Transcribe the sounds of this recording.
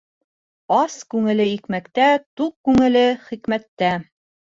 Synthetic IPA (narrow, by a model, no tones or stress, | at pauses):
ɑskʉŋɘ̆lɘikmækt̪æt̪uq̚kʉŋɘ̆lɘχikmæt̪ːæ